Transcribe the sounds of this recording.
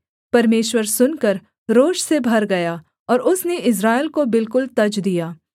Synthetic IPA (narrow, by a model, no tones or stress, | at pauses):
pɐɾmeːʃwəɾsʊnkɐɾ | ɾoːʃsebʱɐɾɡɐjaː | ɔːɾʊsneʔɪs̬ɾaːɪlkobɪlkʊlt̪ɐd͡ʒd̪ijaː